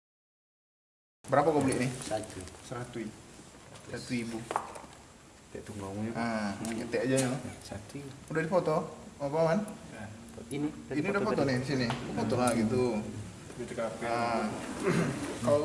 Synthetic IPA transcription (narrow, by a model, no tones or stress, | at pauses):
bəɾapakabulɛʔnɪhat̪səɾat̪ui | sat̪uibu | t̪ɛʔt̪uŋɡaŋat̪ɛʔad͡ʒaɲasat̪uudahdifɔt̪ɔapawan | iniudafot̪ɔnɪhdisinɪəfɔt̪ɔɦlaɡit̪u | bit̪əkaka | ka